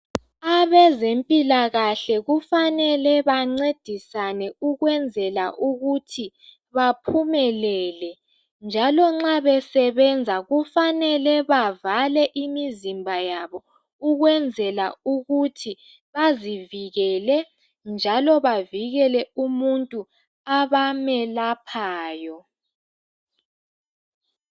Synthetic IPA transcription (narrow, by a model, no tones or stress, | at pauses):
aβɛzempʼilaɣaɬɛɣufanɛlɛβaŋ͡ǀed̥ʱisanɛuɣwɛnd͡zʱɛlaʔuɣutʰi | βapʰumɛlɛːlɛ | nd͡ʒʱalɔŋ͡ǁaβɛsɛβɛnd͡zʱaɣufanɛlɛβavalɛʔimizimbʱajaβɔ | uɣwɛnd͡zʱɛla̰uɣutʰi | βaziviɣɛlɛ | nd͡ʒʱalɔβaviɣɛlɛumuntʼu | aβamɛlapʰaːjɔ